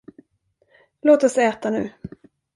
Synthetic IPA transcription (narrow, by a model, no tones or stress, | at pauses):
loːt̪ɔsɛːt̪anʉ̟̰ː